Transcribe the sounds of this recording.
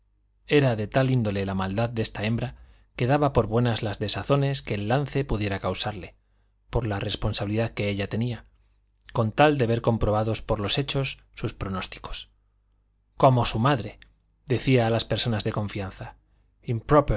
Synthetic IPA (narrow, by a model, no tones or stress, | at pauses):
e̞ɾaðe̞t̪alind̪o̞le̞lamald̪aðd̪e̞st̪ae̞mbɾa | ke̞ðaβapo̞ɾβwe̞nazlazðe̞saθo̞ne̞ske̞ːlːanθe̞puðje̞ɾakawsaɾle̞ | po̞ɾlare̞sponsaβiliðaðke̞eʎat̪e̞nia | ko̞nt̪ald̪e̞βe̞ɾko̞mpɾo̞β̞aðo̞spo̞ɾlo̞se̞t͡ʃo̞sːuspɾo̞no̞st̪i̥ko̞̥s | ko̞mosumaðɾe̞ | ðe̞θiaːlaspe̞ɾso̞nazðe̞kõ̞ɱfianθa | impɾope